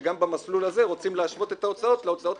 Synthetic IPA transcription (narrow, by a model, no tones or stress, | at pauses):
ɡambamaslulaze̞ʁo̞t͡simleaʃvo̞t̪e̞t̪ao̞t͡sao̞t̪leo̞t͡sao̞t̪